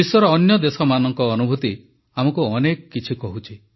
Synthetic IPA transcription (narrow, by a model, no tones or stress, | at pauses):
iswɔɾɔːnjɔd̪esɔmanɔŋkɔːnubʱut̪i | amɔkuɔnekɔkit͡ʃʰikɔɦut͡ʃʰi